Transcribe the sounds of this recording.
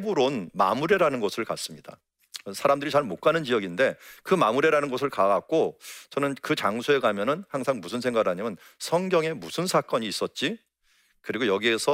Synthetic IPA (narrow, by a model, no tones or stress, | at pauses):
buɾonma̰muɾe̞ɾanɯnɡʌsʰɯɭka̰s͈ɯmɲida̰ | sʰaɾamdɯɾit͡ɕaɭmok͈̚anɯnt͡ɕijʌɡinde̞kɯmamuɾe̞ɾanɯnɡʌs̬ʰɯɭkaɡak̚k͈ot͡ɕʌnɯnkɯt͡ɕaŋsʰue̞kamjʌnɯnhaŋsʰaŋmusʰɯnsʰe̞ŋɡaɡɯɭɦaɲimjʌn | sʰʌŋɡjʌŋe̞musʰɯnsʰak͈ʌɲiːs͈ʌt̚t͡ɕ͈i | kɯɾiɡojʌɡie̞sʰʌ